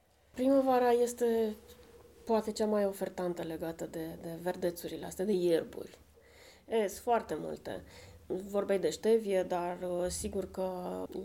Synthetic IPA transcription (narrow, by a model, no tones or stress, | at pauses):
pɾiməvaɾaje̞st̪e̞ | poat̪e̞t͡ʃamajofe̞rt̪ant̪əle̞ɡat̪əd̪e̞d̪e̞ve̞rd̪e̞t̪suɾilea̰st̪ed̪e̞jerbṵrʲ | esfoart̪e̞mṵlt̪e̞̰vo̞rbejd̪e̞ʃt̪e̞vie̞d̪arsiɡurkə